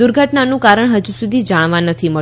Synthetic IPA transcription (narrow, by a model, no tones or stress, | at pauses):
uɾɡʱəʈnanũkaɾəɳɦəd͡ʒusud̪ʱid͡ʒaɽ̃ʋãnət̪ʰimə